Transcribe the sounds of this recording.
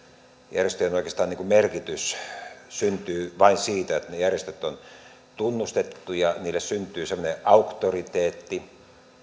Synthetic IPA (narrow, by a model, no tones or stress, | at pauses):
jæ̰rjest̪øjonoˑikˑest̪ɑːniːŋkumerkit̪yssynt̪yːʋɑinsiːt̪æet̪nejærjest̪øt̪ːon | t̪unːust̪et̪ːujɑniːlːessynt̪ˑyːsemːˑŏneʔɑukt̪orit̪eːt̪ːi